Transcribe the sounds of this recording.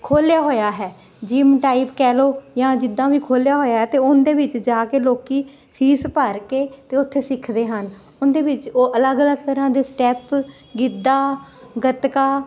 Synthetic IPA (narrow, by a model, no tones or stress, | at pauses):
kʰoːljaːɦoːjaːɦɛː | d͡ʒiːmʈaːipkɛːloːjãːd͡ʒɪd̪ːãːʋiːkʰoːljaːɦoːjaːɦɛːt̪eːʊnd̪eːʋɪt͡ʃd͡ʒaːkeːloːkiː | pʰiːspəɾkeːt̪eːʊt̪ʰːeːsɪkʰd̪eːɦən | ʊnd̪eːʋɪt͡ʃoːʔələɡələɡ̚t̪əɾãːd̪eːsʈɛːp | ɡɪd̪aːɡət̪kaː